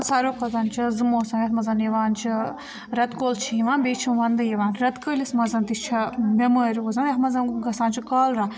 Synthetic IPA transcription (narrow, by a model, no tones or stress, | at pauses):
saːɾoːkʰɐzɐnt͡ʃʰizɨmoːsɐ̃mɐt̪mɐzɐniʋaːnt͡ʃʰi | ɾɐt̪koːlt͡ʃʰijiʋãːnbʲeːt͡ʃʰiʋɐnd̪ɐjiʋaːnɾɐt̪kəːlismɐzɐnt̪ist͡ʃʰɐbemɐːɾʲozɐnʲɐt̪mɐzɐnɡɐsãːnt͡ʃʰikɐːlɾa